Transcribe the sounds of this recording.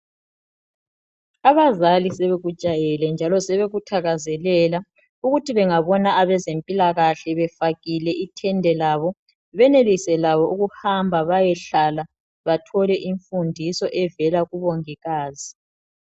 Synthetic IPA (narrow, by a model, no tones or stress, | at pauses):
aβazalisɛβeɣu̥t͡ʃʼajɛlɛnd͡ʒʱalɔsɛβeɣutʰaɣazɛlɛla | uɣutʰiβɛŋaβɔnaaβɛzempʼilaɣaɬɛβɛfaɣilɛʔitʰɛndʱɛlaːβɔ | βɛnelisɛlaβɔʔuɣuhambʱaβajɛɬala | βatʰɔlɛʔiɱfundʱisɔʔɛvɛlaɣuβoŋiɣaːzi